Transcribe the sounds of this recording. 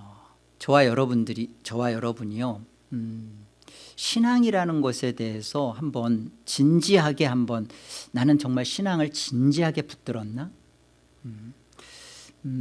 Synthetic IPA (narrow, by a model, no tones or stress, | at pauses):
ʌ | t͡ɕʌwajʌɾʌbundɯɾit͡ɕʌwajʌɾʌbuɲijo | ɕʰinaŋiɾanɯnɡʌsʰe̞de̞ɦesʰʌhambʌnt͡ɕind͡ʑiɦaɡe̞ɦambʌnːanɯnt͡ɕʌŋmaɭɕʰinaŋɯɭt͡ɕind͡ʑiɦaɡe̞pu̥t͈ɯɾʌnːa